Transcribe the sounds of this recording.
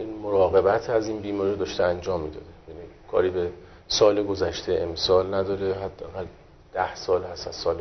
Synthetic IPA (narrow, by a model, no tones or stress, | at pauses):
ʔiːnmoɾɒːɣe̞bæt̪ʰæziːnbiːmɒːɾɾiod̪ɒːʃt̪eænd͡ʒɒːmːiːd̪ɒ̰ːd̪ejæniːkʰɒ̰ːɾiːbe | sɒːleɡozæʃt̪ʰeemsɒːlnæd̪ɒːɾeɦæd̪ːeæɣæl | d̪̥æhsɒːlhæsæz̥sɒːle